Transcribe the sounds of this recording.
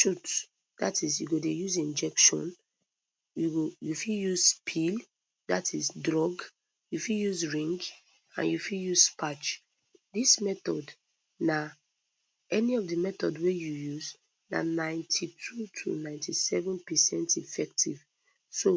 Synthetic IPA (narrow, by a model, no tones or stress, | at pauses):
ʃut | datisjṵɡodejuzĩnd͡ʒɛkʃɔ̰̃n | juɡojufiljuzpʰil | datʰizdɹɔɡ | jufiljuzɹĩŋɡ | ã̰njufijuzspat͡ʃ | dismɛtɔd | na | ɛniɔvdəmɛtɔdwejujuz | na̰nãɪ̃ntʰitʰutʰṵnãɪ̃ntʰisɛvɛ̃npɛsɛ̃ntifɛk̚tʰiv | so